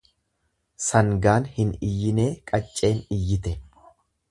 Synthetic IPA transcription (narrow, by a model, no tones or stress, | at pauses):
sɐŋɡaːnhɪnɪjːɪne̞ːkʼɐt͡ʃʼːe̞ːnɪjːɪt̪ɛ